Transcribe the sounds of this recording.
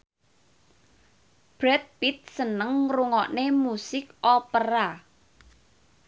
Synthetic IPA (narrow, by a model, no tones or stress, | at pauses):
b̥ɾɛt̪̚pit̪̚sənəŋruŋɔʔnemusɪkopəɾa